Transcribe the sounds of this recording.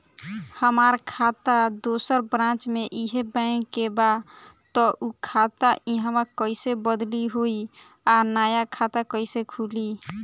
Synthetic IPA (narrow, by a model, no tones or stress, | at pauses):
həmaɾkʰat̪ad̪osəɾbɾãt͡ʃmeʔiɦebəŋkːeba | t̪ɔʔukʰat̪aʔiɦəmakəɪsebəd̪liɦoi | anajakʰat̪akəjsekʰuli